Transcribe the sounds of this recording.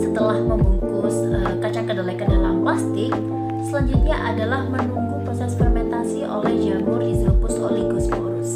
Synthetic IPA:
sət̪əlahməmuŋkʊsəkat͡ʃakədalakədalampast̪ɪ | səlaɲd͡ʒut̪̚ɲaʔadalahmənuŋkupɾosɛspɛrmɛnt̪asiʔo̰lɛhd͡ʒambɔrdizopʊso̰liɡɔspɔɾs

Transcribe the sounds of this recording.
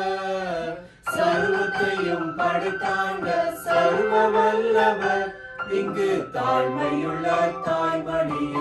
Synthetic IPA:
sɐɾʋɐt̪ːɐjɯmpɐɽɪt̪ːaːndɐsɐɾɯmɐʋɐlːɐðɐ | ɪŋɡɯt̪aːlmɐjɯɭːɐt̪aːlʋɐɳi

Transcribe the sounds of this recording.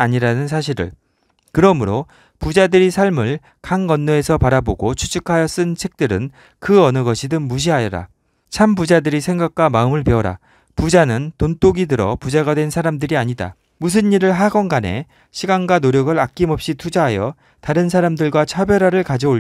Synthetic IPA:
aɲiɾanɯnsʰaɕʰiɾɯ̰ɭ | kɯɾʌmɯɾo | pud͡ʑadɯɾisʰaɭmɯɭ | kaŋɡʌnːoe̞sʰʌpaɾaboɡot͡ɕʰu̥t͡ɕʰɯkʰajʌs͈ɯnt͡ɕʰe̞k̚t͈ɯɾɯn | kɯʌnɯɡʌɕʰidɯŋmuɕ̬ʰiɦajʌɾa̰ | t͡ɕʰampud͡ʑadɯɾisʰe̞ŋɡak̚k͈wamaɯmɯɭpe̞ʌɾa̰ | pud͡ʑanɯntont͈oɡidɯɾʌ̰pud͡ʑaɡadwe̞nsʰaɾamdɯɾiaɲida̰ | mus̬ʰɯnːiɾɯɭɦaɡʌnɡane̞̰ | ɕʰiɡanɡwanoɾjʌɡɯɾak̚k͈imʌp̚ɕ͈itʰud͡ʑaɦajʌ | taɾɯns̬ʰaɾamdɯɭɡwat͡ɕʰabjʌɾaɾɯɭkad͡ʑʌo

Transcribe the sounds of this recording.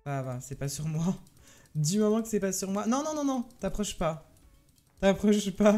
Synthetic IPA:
avasɛpasyʁmwa | d̪ymɔmɑ̃kə̥sɛpasyʁmwanɔ̃nɔ̃nɔ̃nɔ̃t̪apχɔʃpa | t̪apχɔʃpa

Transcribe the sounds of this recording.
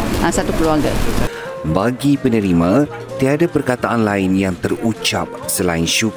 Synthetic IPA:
ãsat̪ukəluaŋɡə̰ | baɡipənə̃ɾimã | t̪iadapərkat̪aʔanlaɪnjaŋt̪ərut͡ʃap̚səlaɪnʃu

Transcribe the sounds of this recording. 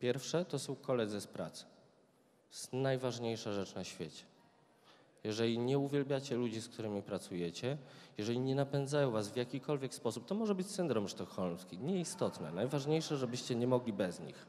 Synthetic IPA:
pʲjɛɾfʂɛt̪ɔsɔ̃w̃kɔlɛd̪zɨspɾa̰t̪s | snajvaʐɲejʂaʐɛt͡ʂnaɕfʲjet͡ɕɛ̥ | jɛʐɛlʲiɲɛuvʲjɛlbʲjat͡ɕɛlud͡ʑiskt̪uɾɘmʲipɾat̪sujɛt͡ɕɛjɛʐɛlʲiɲɛnapɛnd̪zajɔ̃w̃vasvʲjakʲikʰɔlvʲjɛkspɔsup̚t̪ɔmɔʐɛbɘt͡ɕsɘnd̪ɾɔmʂt̪ɔxɔlmskʲiɲɛist̪ɔt̪nɛ̰najvaʐɲejʂɛʐɛbɘɕt͡ɕɛɲɛmɔɡlʲibɛzɲḭx

